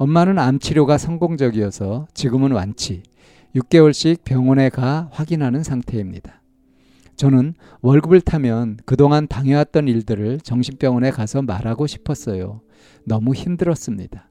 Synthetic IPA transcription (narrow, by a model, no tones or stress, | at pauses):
ʌnːanɯnamt͡ɕʰiɾjoɡasʰʌŋɡoŋd͡ʑʌɡiʌsʰʌt͡ɕiɡɯmɯnwa̰nt͡ɕʰi | juk̚k͈e̞wʌɭɕ͈ik̚p͈jʌŋʌne̞kaɸwaɡinɦanɯnsʰaŋtʰe̞imɲḭd̥ḁ | t͡ɕʌnɯn | wʌɭɡɯbɯɭtʰamjʌnkɯdoŋantaŋjʌɦat̚t͈ʌniɭdɯɾɯɭt͡ɕʌŋɕʰinp͈jʌŋwʌne̞kasʰʌmaɾaɡoɕʰi̥pʰʌs͈ʌjo̰ | nʌmuçimdɯɾʌs͈ɯmɲid̥a